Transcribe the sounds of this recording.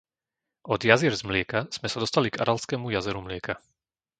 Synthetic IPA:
ɔd̪jaziɾzmlɪɛkaz̥mɛsad̪ɔst̪aliɡa̰ɾalskɛːmujazɛɾumlɪɛka

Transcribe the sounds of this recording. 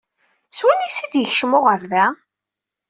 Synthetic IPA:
swænisid̪jəçʃmʊʁəɾðæ

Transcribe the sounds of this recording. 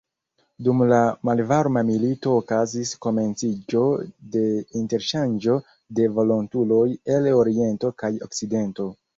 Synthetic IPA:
dumlamalvaɾmamilito̞ːkazisko̞me̞nt͡sid͡ʒo̞de̞inte̞ɾʃand͡ʒo̞ | de̞vo̞lontulo̞je̞lo̞ɾie̞nto̞kajo̞̰kt͡side̞nto̞

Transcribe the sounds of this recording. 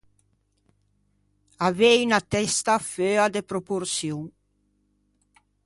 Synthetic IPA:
avɛynat̪ɛst̪aføad̪epɾopoɾsjuŋ

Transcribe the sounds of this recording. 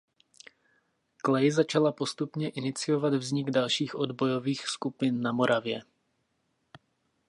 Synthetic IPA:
klɛjɪzat͡ʃalapo̞st̪upɲɛʔɪnɪt͡sɪjovad̪vzɲɪɡdalʃiːxʔod̪bojoviːxskupɪnːamoɾʔavjɛ

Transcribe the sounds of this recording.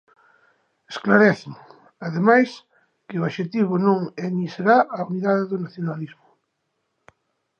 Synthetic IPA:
esklaɾɛθeŋ | aðemajs | kɪʊaʃet̪iβ̞ʊnõŋeniseɾaʔauniðaðeðʊnaθjonalizmʊ

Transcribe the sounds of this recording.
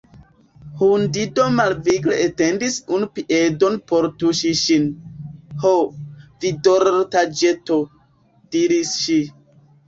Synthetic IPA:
hundido̞malviɡleʔetendisunupiʔedonpoɾtuʃiʃin | hovidoɾtad͡ʒeto | d̥iɾisʃi

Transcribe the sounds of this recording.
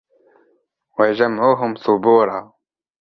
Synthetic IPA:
wad͡ʒamʕuːɦʊmsˤʊbuːɾˤɑː

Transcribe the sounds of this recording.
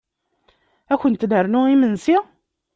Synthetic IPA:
æçənt̪nəɾnuimənsi

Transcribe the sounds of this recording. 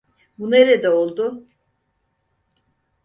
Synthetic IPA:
buneɾed̪ɛolˠd̪ʊ

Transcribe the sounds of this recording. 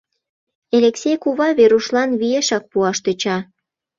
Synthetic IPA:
eleksʲejkuβɑβeɾuʃlɑnβieʃɑk̚puɑʃt̪øt͡ɕɑ

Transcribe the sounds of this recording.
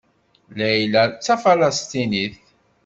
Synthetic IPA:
læjlæt͡sːæfalɑst̪iniθ

